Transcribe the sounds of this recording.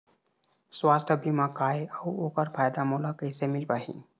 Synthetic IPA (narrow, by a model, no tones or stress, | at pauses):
swaːst̪ʰəbimãːkaːeəwoːkəɾpʰaːjd̪amoːlakəisemɪlpaːɦḭ̃ː